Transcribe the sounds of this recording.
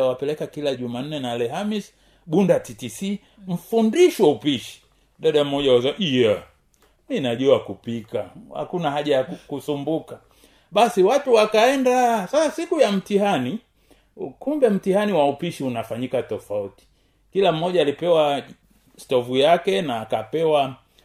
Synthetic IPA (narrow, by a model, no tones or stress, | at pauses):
awapɛlɛkakilaʄuman̩nɛnalɛɦamis | ɓundatitisi | m̩fundiʃwaupiʃi̥ | ɗaɗam̩mɔʄawazaʔija | minaʄuakupikaha̰kunahaʄajakusumbuka | ɓasiwatuwakaɛndasasasikujam̩tihani | kumbɛm̩tihaniwaupiʃiunafaɲikatɔfauti̥ | kilam̩ːɔʄaːlipɛwa | stɔvujakɛnaːkapɛwa